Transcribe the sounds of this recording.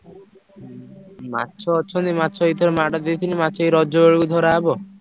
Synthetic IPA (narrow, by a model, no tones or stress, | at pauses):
ma̰tːʃʰɔːtːt͡ʃʰɔnt̪imatːʃʰɔit̪ʰɔɾemaʈad̪it̪ʰinimatːt͡ʃʰɔiɾɔd͡ʒɔbeɭikud̪ʱɔɾaebɔ